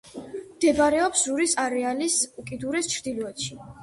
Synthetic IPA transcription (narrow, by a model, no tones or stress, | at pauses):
md̪̥ɛbaɾɛɔpszuɾisaɾɛalisukʼid̪uɾɛst͡ʃʰɾd̪ilɔɛt̪ʃi